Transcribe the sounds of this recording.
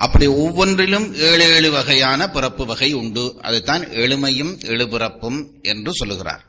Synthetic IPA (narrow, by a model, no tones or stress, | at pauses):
ʔɐpːɐɽiɔʋːɔndrɪlɯmeːɭeːɭɯʋɐɣɐjaːnɐpɪrɐpːɯʋɐɣɐɪʊɳɖɯʔɐ̰ðɐɪt̪ːaːneɭɯmɐjɯmɛɭɯpɪrɐpːɯm | ʔɛndrɯsɔlːɯɣɪra̰ːɾ